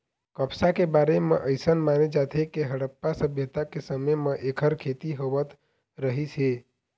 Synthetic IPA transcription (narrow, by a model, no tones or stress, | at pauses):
kəpsakebaɾemḛʔəɪsənmaned͡ʒat̪ʰekeɦəɽəpːasəbʱjət̪akesəməjmeʔekʰəɾkʰet̪iɦoʋət̪ | ɾəɦise